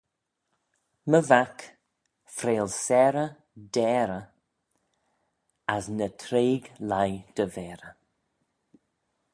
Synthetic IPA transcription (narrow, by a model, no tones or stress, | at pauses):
məvak | fɾeːlsɛɾə | d̪ɛːɾə | asnət̪ʰɾeːɡlajd̪̥əvɛːɾə